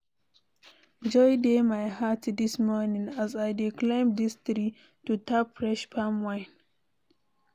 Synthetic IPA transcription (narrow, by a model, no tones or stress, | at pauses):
d͡ʒɔjdemajhatdismɔnĩŋazajdikʰlẽɪmdistɹi | tutapfɹɛʃpʰamwãɪ̃n